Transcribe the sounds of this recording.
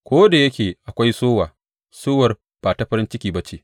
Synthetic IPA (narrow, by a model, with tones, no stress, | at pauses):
kʷoː˦da˨jɐ˦kʲeː˨ʔa˨kʷa˦jsoː˦waː˨ | soː˦wɐ˨r | b̥aː˨ta˨ɸɐ˦ɾɪ˦nt͡ʃɪ˦kʲiː˨ba˦t͡ʃe˦˨ʔ